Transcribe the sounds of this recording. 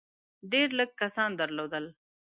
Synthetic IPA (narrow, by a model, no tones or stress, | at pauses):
ɖeɾləɡ̚kasɑnd̪əɾlod̪əl